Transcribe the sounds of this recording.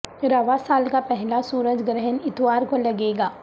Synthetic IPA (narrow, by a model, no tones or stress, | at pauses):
ɾaʋasaːlkapɛɦlasuːɾəd͡ʒɡɾɛɦənɪt̪ʋaːɾkolɐɡeːɡaː